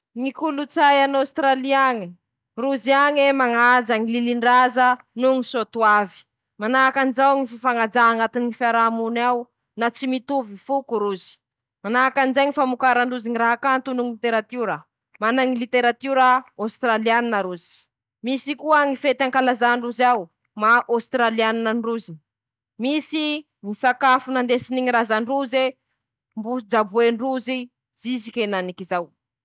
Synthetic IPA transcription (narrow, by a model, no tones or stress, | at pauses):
ŋikulut͡sajanawst̪ɾaliaŋi | ruziaŋemaŋad͡zaŋililiɳɖ͡ʐazə | nuŋisot̪uavi̥ | manakand͡ʒawŋififaŋad͡ʒaɦaŋat̪iniifaɾamunaw | nat͡simit̪uvifukuɾuzi̥ | manakand͡ʒeɲifamukaɾaɳɖ͡ʐuziŋiɾaɦakant̪unuŋilit̪eɾat̪uɾə | manaŋilit̪eɾat̪uɾəawst̪ɾalianinəɾuzi̥ | misikuəŋifet̪aŋkalazaɳɖ͡ʐuzaw | maʔawst̪ɾalianinənruzini | misi | ŋisakafunand̪esiniɲiɾazaɳruze | mbud͡ʒabueɳruzi | d͡zizikʲenanikizaw